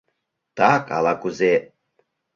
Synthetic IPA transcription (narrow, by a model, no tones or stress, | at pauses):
t̪akʼa̰lakʼuze